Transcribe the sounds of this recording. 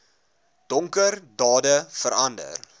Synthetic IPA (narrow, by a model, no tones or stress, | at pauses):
d̥ɔŋkərdɑːdəfəɾɐndə̰r